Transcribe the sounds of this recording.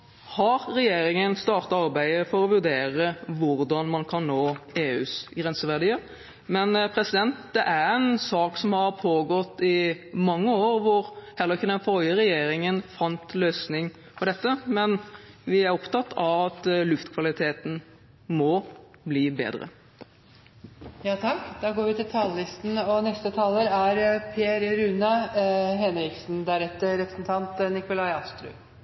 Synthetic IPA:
hɑɾːɛjeːɾɪŋənst̪ɑːʁt̪ɑɑɾbæɪəfɔɾɔʋʉɾd̪eːɾəʋʊɾd̪ɑnmɑnkʰɑnnoːeːʉːsɡɾɛnsəʋæʁd̪iːəɾ | mɛnpʰɾɛsɪd̪ɛnt̪d̪ɛʔæɾɛnsɑːksɔmhɑɾpʰoːɡɔt̪ːɪmɑŋːəoːɾʋʊɾhɛlːəɾɪçːəd̪ɛnfœljəɾɛjeːɾɪŋənfɑnt̪løːsnɪŋ | fɔd̪ɛt̪ːəmɛnʋɪæɾɔpt̪ɑt̪ːɑʋɑt̪lʉft̪kʰʋɑlɪt̪ʰeːt̪n̩ | mɔ | bliːbḛːd̪ɾə̰ | jɑːt̪ʰɑkːd̪ɑːɡoːɾʋɪt̪ɪlt̪ʰɑːləlɪst̪n̩ɔnɛst̪ət̪ʰɑːləɾæɾpʰeɾɾʉnɑɦɛnɾɪksn̩d̪æɾɛt̪ːəɾɛpɾəsn̩t̪ʰɑnt̪nɪkʊlɑɪɑst̪ɾʉ̰

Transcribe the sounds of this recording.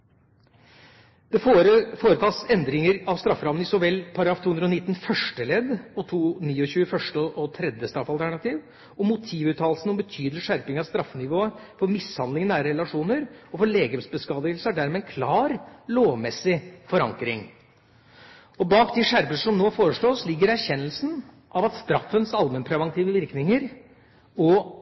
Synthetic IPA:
d̪̥ɛfoːɾət̪ʰɑːsɛnd̪ɾɪŋəɾɑʋst̪ɾɑfːɾɑʋənɪsɔʋɛlpʰɑɾɑɡɾɑːft̪ʰuːʉnɾɔnɪt̪ːn̩fœʂʈəlɛd̪ɔt̪ʰuːniːɔçʉːəfœʂʈəɔʔɔt̪ʰɾɛd̪jəst̪ɾɑfɑlt̪ʰæɳɑt̪ʰiːʋ | ɔmːʊt̪ʰiːʋʉːt̪ʰɑːllsn̩ɔmbət̪ʰyːd̪lɪʂæɾpɪŋɑʋst̪ɾɑfːnɪʋoːəfɔɾmɪshɑnd̪lɪŋənæːɾəɾɛlɑʂuːnəɾɔfɔɭeːɡəmsbəskɑːd̪ɪɡəlsəæɖæɾmɛɛnkʰlɑːɾloːʋmɛsːɪfɔɾɑ̰ŋkɾɪŋ | ɔbɑːk̚d̪ɪʂæɾpəʂɔmnoːfoːɾəʂɭoːslɪɡːəɾæɾçɛnːəlsn̩ | ʔɑʋɑt̪st̪ɾɑfːənsɑlmənpʰɾɛʋɑŋt̪ʰiːʋəʋɪɾknɪŋəɾ | ɔ

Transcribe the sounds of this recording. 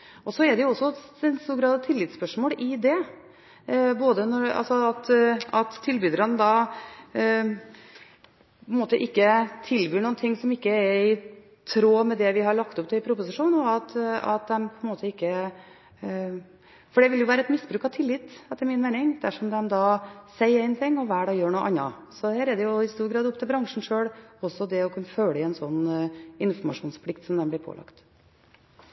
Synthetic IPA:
ʔɔsɔɛɖ̪ɛjʊɔsːɔɛnst̪uːɾɡɾɑːd̪ɑʋt̪ʰɪlːɪt̪spœʂmoːlʔɪd̪ɛ | boːd̪ənɔɾɑ̰lsɔɑt̪ɑt̪ʰːɪlbyd̪əɾənəd̪ɑ | pʰɔɛnmoːt̪əʔɪkːət̪ʰɪlbyːɳuːnt̪ʰɪŋːsɔmɪkːəɛɪ | t̪ʰɾoːmɛd̪ɛʋɪɦɑɭɑkt̪ʊpt̪ʰɪlɪpʰɾʊpʊsɪʂuːnɔɑt̪ɑ̰t̪̚d̪ɛmpʰɔɛnmoːt̪əɪkːə | fɔɖɛʋɪljʊʋæːɾəɛt̪mɪsbɾʉːkɑʋt̪ʰɪlːɪːt̪ːɛt̪ːəɾmɪnmɛːnɪŋd̪æʂɔmd̪ɛmd̪ɑːsɛɪəæɪnt̪ʰɪŋːɔʋæːɖɑjøːɳuːʔɑnːɑ̰ | sɔhæːɾɛd̪ɛjʊɪst̪uːɾɡɾɑːd̪ʊp̚t̪ʰɪlbɾɑŋʂɳ̩ʂøːɽɔsːɔd̪ɛɔkʰʉnːəføːləɪɛnsɔnːɪnfɔɾmɑʂuːnspʰlɪkt̪sɔmd̪ɛmblɪɾpʰo̰ːlɑ̰kt̪

